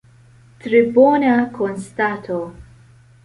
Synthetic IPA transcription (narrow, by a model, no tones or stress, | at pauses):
t̪ɾɪbɔːnɐkʰɔnst̪at̪ʰo